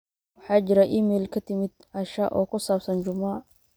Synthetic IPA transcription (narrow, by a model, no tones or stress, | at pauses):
wʊħaːd͡ʒɪɾɐʔimɛːlkʰɐt̪ɪmɪd̪̚ | ɐʃɐʔɔ̰ːkʊsaːbsɐnd͡ʒʊma